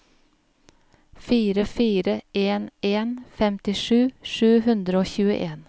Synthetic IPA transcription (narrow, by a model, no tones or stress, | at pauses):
fiːɾəfiːɾəʔeːneːnfɛmt̪ɪʃʉːʃʉːhʉnd̪ɾəoːçʉːə̰ʔeːn